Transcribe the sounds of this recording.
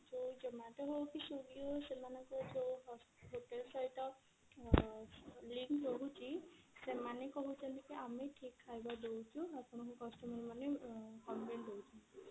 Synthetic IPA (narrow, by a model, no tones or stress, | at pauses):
d͡ʒod͡ʒɔmãʈɔɦokisuɡiosemanɔkɔd͡ʒo | ɦoʈelsajʈɔ | liŋkɾoɦut͡ʃʰi | semanekɔɦut͡ʃʰɛnt̪ikiamiʈʰikʰːajbad̪ewt͡ʃʰũapɔnɔkɔkɔsʈɔmɔɾimanekɔnbend̪owt͡ʃʰɔ